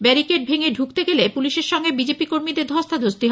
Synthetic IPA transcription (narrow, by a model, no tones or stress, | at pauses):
bɛɾikeʈ̚bʱeŋeɖʱukt̪eɡelepuliʃeɾʃɔŋɡebid͡ʑepikoɾmid̪eɾd̪ʱɔst̪ʰad̪ʱost̪iɦ